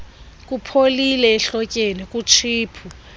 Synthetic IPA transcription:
k̬ʼupʰolilɛːɬɔkʼenik̬ʼut͡ʃʰiːpʰu

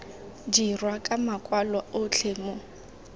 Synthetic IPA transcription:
d͡ʒirwakʼamakʼwalwaʔot͡ɬʰeːmɔ

